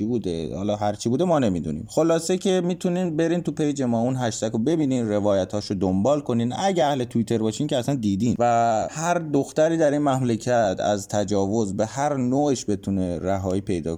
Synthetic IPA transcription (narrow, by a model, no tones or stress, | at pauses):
ibuːd̪ḛhɒ̰ːlɒːɦæɾt͡ʃʰibuːd̪emɒːne̞mid̪ṵnḭːmxo̞lɒːsecʰe̞miːt̪ʰuniːnbe̞ɾiːnt̪upʰejd͡ʒe̞mɒːunɦæʃt̪ækobe̞biːniːnɾe̞vɒːjæt̪ʰhɒːʃod̪ombɒːlkʰo̞niːnæɟæhle̞t̪ʰuit̪ʰe̞ɾbɒːʃiːnmcʲʰeæsænd̪iːd̪iːnvæhæɾd̪oxt̪æɾiːd̪æɾinmæmlecʰæt̪ʰæ̰zt̪ʰæd͡ʒɒːvo̞zbe̞hæɾnoːeʃbe̞t̪ʰuneɾæɦɒːiːpʰe̞jd̪ɒ̰ːk